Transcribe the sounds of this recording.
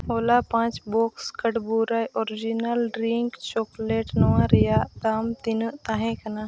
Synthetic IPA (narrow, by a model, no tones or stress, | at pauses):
ɦoːlapãːt͡ʃboːkskəʈbuːɾajʔoːɾɪd͡ʒinəlɖɾiŋkt͡ʃoːkleːʈnowãɾəjaːd̪aːmt̪int̪aɦẽkɐna